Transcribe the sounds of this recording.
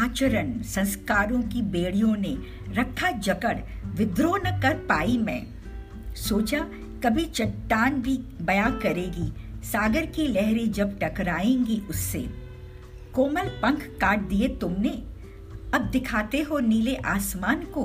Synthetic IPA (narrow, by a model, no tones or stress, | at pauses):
aːt͡ʃəɾənsɐ̃nskaːɾõkibeːɽijõne | ɾɐkʰːad͡ʒɐkəɽʋɪd̪ɾoːnəkɐɾpaːimɛ̰̃ː | soːt͡ʃa | kɐbʱit͡ʃɐʈːaːnbʱibɐjakɐɾeːɡisaːɡəɾkilɛɦɾed͡ʒɐb̚ʈɐkɾaːẽːŋɡiʔʊsːḛ | koːməlpɐ̃ŋkʰːaːʈ̚d̪iet̪ʊmne | ɐb̚d̪ɪkʰaːt̪eɦoniːleʔaːsmaːnko